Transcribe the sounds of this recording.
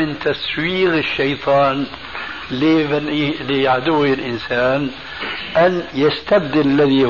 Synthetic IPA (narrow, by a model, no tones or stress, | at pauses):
ɪnt̪aswiːɣɪʃːɑjt̪ˤʰɑːn | lɪblɪjaʕd̪uwːɪlʔɪnsaːn | ʔanjast̪ab̚d̪ɪllːaði